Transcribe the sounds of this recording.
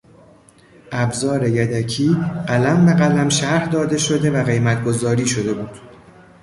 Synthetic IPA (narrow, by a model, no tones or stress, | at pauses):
ʔæbzɒːɾe̞jæd̪æcʰiːɢælæmbe̞ɢælæmʃæɾhd̪ɒːd̪e̞ʃo̞d̪e̞væɣe̞jmæt̪ʰɡo̞zɒːɾiːʃo̞d̪e̞buːd̪̥